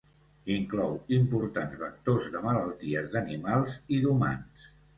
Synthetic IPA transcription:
iŋklɔwimpuɾt̪anzβək̚t̪ozðəmələlˠt̪iəzðənimalˠziðuma̰ns

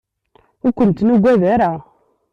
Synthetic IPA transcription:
ukʷuntinuɡʷeðeɾa

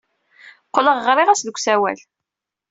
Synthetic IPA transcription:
qːləʁʁɾˤɪʁæsðəkʷːsæwæ̰l

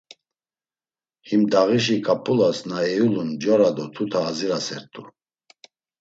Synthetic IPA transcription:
himd̪aʁiʃ̬ikʰʼapʰʼulasnaɛjulund͡ʒɔɾad̪ɔt̪ʰut̪ʰaːziɾasɛɾt̪ʰʼṵ

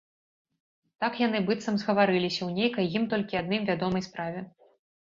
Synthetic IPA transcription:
t̪akjan̪ɨbɨt̪sɐmzɣɐvaɾɨlʲisʲɐwnʲejkɐjjːimt̪ɔlʲkʲiad̪̚nɨmvʲad̪ɔmɐjspɾavʲɛ

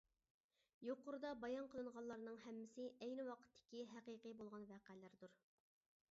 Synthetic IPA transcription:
joqʊɾud̪ɑbɑjɑnqʰəlˠɨɴʁɑnlːˠɑɾnɨŋɦɛmːɪsɪʔɛjnɪwɑqʰə̥t̪ʰːɪ̥kʲiɦæqiqɨbolˠʁɑnvæqæːlɪɾd̪uɾ

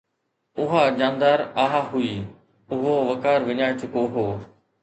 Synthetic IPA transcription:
ʊɦad͡ʑãːnd̪aːɾaːɦaɦuiː | ʊɦoʋɐkaːɾʋɪɲaːet͡ɕʊkoɦoː

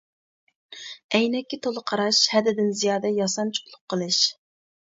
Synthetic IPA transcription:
ɛjnɛkʲːɪt̪ʰolˠəqʰɑɾɑʃhɛd̪ɪd̪ɪnzijɑːd̪ɛjɑsɑnt͡ʃʰu̥plˠʊqqʰːəlˠɨʃ

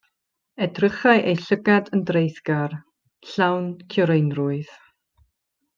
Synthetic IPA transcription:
ɛdrəχaɨʔejɬəɡadəndrejθɡ̥ar | ɬawnkʰjɔɾejnrʊɨð̥

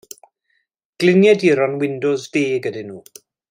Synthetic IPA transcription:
ɡ̥lɪnjɛdiɾɔnwɪndʊzviːɡədɪnuː

